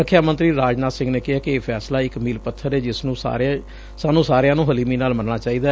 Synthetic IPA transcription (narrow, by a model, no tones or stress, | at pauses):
ɾəkʰːjaːmənt̪ɾiːɾaːd͡ʒnaːt̪sɪ̃ŋɡneːkɪɦaːkeːpʰɛːslaːɪkmiːlpət̪ʰːəɾɛːd͡ʒɪsnũːsa̰ːɾ | saːnũːsaːɾejãːnũːɦəliːmiːnaːlmənnaːt͡ʃaːiːd̪aː